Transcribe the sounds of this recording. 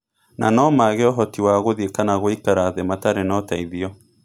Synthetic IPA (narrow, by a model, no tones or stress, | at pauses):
na̰nɔmaɣeɔɦɔtiwaɣoðekanaɣoikaɾaðemataɾenɔtaiðiɔ